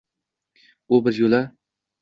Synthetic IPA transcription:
ʊbɪzjola

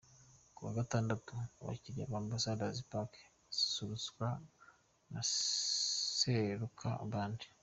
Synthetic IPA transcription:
kuβaɡataːndatuβa̰ciɾia̰βaːnhuβasaːdazipake̥ | z̥i̥suɾusɡwa | na | seɾukʰa̰ːβaːndi

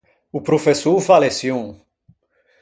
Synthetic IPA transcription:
upɾofesovalesiõ

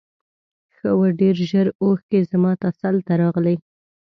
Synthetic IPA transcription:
xəwəɖeɾʒəɾoxkezamɑt̪asalt̪aɾɑɣlaj

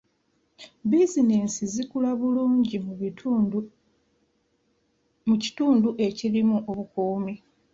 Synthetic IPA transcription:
bizinensizikulaβuluːɲɟi | muci̥tuːnduʔe̞cilimuʔoβukuːmi

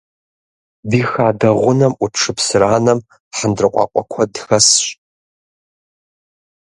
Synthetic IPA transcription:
bixaːdɐʁʷʊnɐmʔʷuʈ͡ʂʰɨpʰsɨraːnɐm | ħəndrɨqʷʼɑ̰qʷʼɔ̰kʷʰɐdxɐsɕ

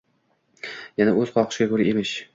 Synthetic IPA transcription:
janaɵz̥qʰɒqʰʃɪɡʲakʰɵɾɪʔemɪʃ

